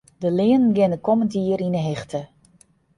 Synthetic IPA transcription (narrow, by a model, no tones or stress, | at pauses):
dəlɪːənənɡɪnəkɔməntiəɾinəɦɪxtʰə